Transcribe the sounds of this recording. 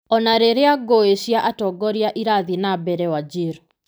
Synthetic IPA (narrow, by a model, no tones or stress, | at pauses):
ɔnaɾeɾeaɡoeʃjaʔatɔɡɔɾjaʔiɾaðinabɛɾɛwad͡ʒiɾo